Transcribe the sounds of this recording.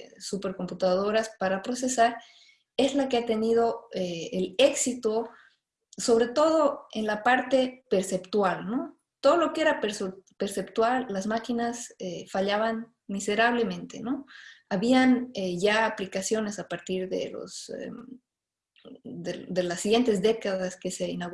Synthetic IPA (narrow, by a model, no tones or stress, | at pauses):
supe̞ɾko̞mput̪að̞o̞ɾaspaɾapɾo̞se̞saɾ | e̞zlakeat̪e̞nið̞o̞eele̞ksit̪o | so̞βɾe̞t̪o̞ð̞o̞e̞nlapaɾt̪e̞pe̞ɾse̞pt̪walno̞ | t̪o̞ðo̞lokee̞ɾapeɾspeɾse̞pt̪walːazmakinasefaʎaβan | mise̞ɾaβ̞le̞mẽnt̪e̞̰no̞aβianeʝaːplikasjo̞ne̞sapaɾt̪iɾðḛlo̰sḛ | deðe̞lasːiɣje̞nt̪e̞zðe̞kaðaske̞seinaɣ